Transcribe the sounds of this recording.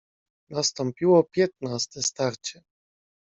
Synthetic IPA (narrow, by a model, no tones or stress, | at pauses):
nast̪ɔmpʲiwɔpʲjɛt̪̚nast̪ɛst̪aɾt͡ɕɛ